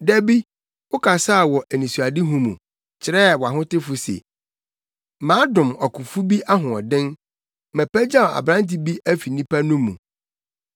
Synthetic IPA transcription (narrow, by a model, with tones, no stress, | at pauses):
dæ˦bi˦ | wʊ˦kʰa˨sa˦˨wɔ˨ʔæ˨nĩ˨su˨a˨dɪ˦ɦũ˦mṵ̃˨ | t͡ɕʰɪ˨ɾɛ˦˨wɔ˨a˨ɦʊ̃˦tɪ˦fʊ˨sḛ˨ | mãː˨˦dʊ̃˨mɔ˨kʰʊ̃˨fu˦bi˦ʔa˦ɦʊ̃˨ɔ˨dɪ̃˦n | mɛ̃˨pæ˦d͡ʑã˦˨a̰˨bɾã˦n˦t̬i˦bi˦æ˦fi˨nĩ˦pæ˦nʊ̃˦mːṵ̃˨